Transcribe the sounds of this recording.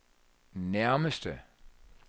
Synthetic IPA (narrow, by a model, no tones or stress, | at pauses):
naʊmɪstə